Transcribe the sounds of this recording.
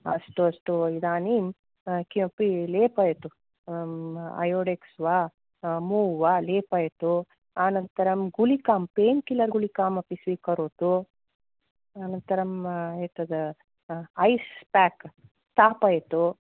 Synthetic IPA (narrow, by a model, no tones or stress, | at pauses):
ɐ̰sʈuɐsʈuid̪aːniːm | kipileːpɐjt̪u | ɐ̰joːɽeksʋaː | muːʋaːleːpɐjt̪u | aːnɐnt̪ɐɾɐmɡulikaːmpeːnkilɐɾɡulikaːmɐpisʋiːkɐɾoːt̪u | aːnɐnt̪ɐɾɐmet̪ɐd̪ | ɐjspaːk | sʈ̪aːpɐjt̪u